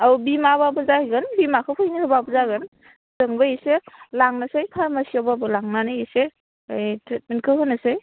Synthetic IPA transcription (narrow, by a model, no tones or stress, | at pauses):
abimababɯzaɡɯnbimakʰɯpʰɯjnikʰɯbabɯzaɡɯn | zɯŋbajiselaŋnasajpʰaɾmasiababɯlaŋnanɯjese | tɾet̚menkʰɯɦɯnɯsaj